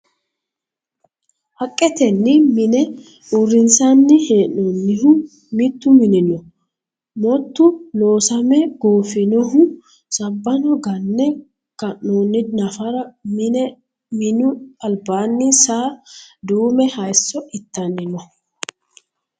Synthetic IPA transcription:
hɐkʼːɛt̪ɛnːɪmɪnɛ | ʔʊrːɪnsanːɪheːʔonːɪɦʊ | mɪt̪ːʊmɪnɪnɔ | mɔt̪ːʊno̞ːsɐmɛɡoːfɪnɔɦʊ | sɐbːɐnɔɡɐnːɛ | kɐʔːoːnːɪd̪nɐfɐɾɐmɪnɛ | mɪnʊɐlbaːnːɪsaːd̪uːmɛhɐjsːɔʔɪt̪ːɐnːɪnɔ

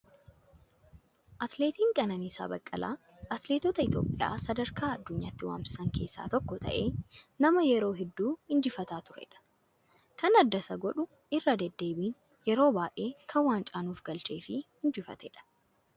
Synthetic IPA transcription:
ʔɐt̪le̞ːt̪iːŋkʼɐnɐniːsa̰ːbɐkʼːɐ̰la̰ːʔɐt̪le̞ːt̪ɔt̪ɐɪt̪jo̞̰ːpʼːɪja̰ːsɐd̪ɐɾkaːɐd̪ːʊɲːaːt̪ːɪwa̰ːmsɪ̥sɐŋkʰe̞ːsːa̰ːt̪ɔkːɔt̪ɐ̰ʔeːnɐmɐjɛɾo̞ːɦɛd̪ːuːhɪnd͡ʒɪfɐt̪aːt̪ʊɾɛ̰ᶑɐ̥ | kɐnɐd̪ːɐsɐɡɔᶑʊ | ɪrːɐd̪ɛd̪ːe̞ːbiːn | jɛɾo̞ːbaːʔe̞ːkʰɐwaːnt͡ʃʼaːnuːfɡɐlt͡ʃe̞ːfɪhɪnd͡ʒɪfɐ̰t̪ɛᶑɐ̥

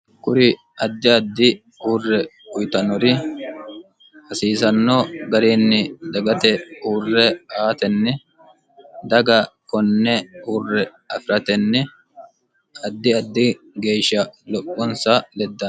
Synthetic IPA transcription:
kʊɾɪ | ɐd̪ːɪɐd̪ːɪ | uːrːɛ | ʊjt̪ɐnɔɾɪ | hɐsiːsɐnːoːɡɐɾeːnːɪd̪ɐɡɐt̪ɛuːrːɛʔaːt̪ɛnːɛ | d̪ɐɡɐkɔnːɛuːrːɛ | ɐfɪɾɐt̪ɛnːɛ | ɐd̪ːɪɐd̪ːɪ | ɡe̞ːʃɐlɔpʼːɔnsɐlɛd̪ːɐ

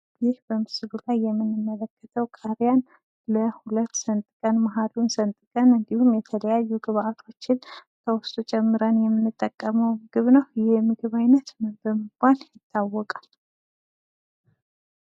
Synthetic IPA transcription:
jɪhbəmɨsɨlulajːɛmːɨnːɨmːələkʰːət̪ʰəwkʰʼaɾjan | ləhulət̪ːsənt̪ʼkʼənmaɦalunsənt̪ʼkʼənɨnd̪ihumjɛt̪ʰələjajːuɡɨβat̪ʰo̞t͡ʃːɪnt̪ʰəwɔst̪ʼut͡ʃʼɛmːɨɾənjɛmːɨnːɨt̪ʼːəkʼːəməwɡ̥ɨβnəwjɛɛmɨɡɨβajnət̪bəmɨbaljɪt̪ʰːawːɔkʼal

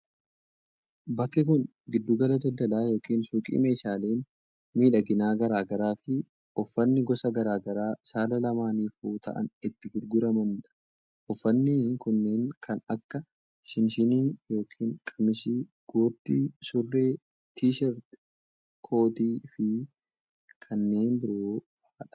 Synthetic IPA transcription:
bɐkːɪkʊn | ɡɪd̪ːuɡɐlɐd̪ɐld̪ɐlaːjo̞ːkiːnsuːkʼḭːme̞ːʃaːle̞ːn | miːᶑɐɡɪnaːɡɐɾaːɡɐɾaːfɪ | ʔɔfːɐnːɪɡɔsɐɡɐɾaːɡɐɾaːsaːlɐlɐmaːniːfuːt̪ʰɐ̰ʔɐ̰nɪt̪ːɪɡʊɾɡʊɾɐmɐnᶑɐ | ʔɔfːɐnːɪkʊnːeːŋkʰɐnɐkːɐ | ʃɪnʃɪniːjo̞ːkʰiːŋkʼɐmɪsiɡ̥oːd̪ːisʊrːe̞ː | t̪ʰiːʃɐɾ | kʰoːt̪iːfɪ | kʰɐnːe̞ːnbɪɾoːfaːᶑɐ̥

